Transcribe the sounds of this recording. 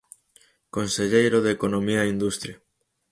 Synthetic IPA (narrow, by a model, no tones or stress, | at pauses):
konseʎejɾoðekonomiaind̪ust̪ɾja